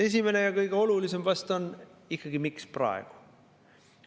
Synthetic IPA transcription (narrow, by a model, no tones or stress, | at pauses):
e̞s̬ʲime̞ne̞jɑkɤjɡ̥e̞o̞lulise̞mvɑst̪o̞nikːɑɡ̥imiksprɑ̰eɡ̥u̥